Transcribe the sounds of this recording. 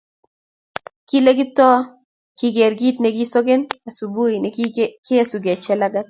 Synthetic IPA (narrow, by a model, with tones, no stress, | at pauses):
ki˦le˦ɡɪ˦p̚tɔ˦ | kʰi˦ɡɛ˨ɾɡi˦t̪ne˦ki˦so˦ɡe˦na˨su˨bu˦inekɪ˦a˨su˨ɡe˨t͡ʃɛ˦la˦ɡa˦t̪̚